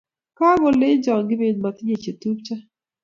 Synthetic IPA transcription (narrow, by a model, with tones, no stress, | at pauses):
ka˦bo˨le˦d͡ʒɔ˨ŋɡɪ˦be˨dma˨t̪ɪ˦ɲe˨t͡ʃe˨tu˦p̚t͡ʃa˦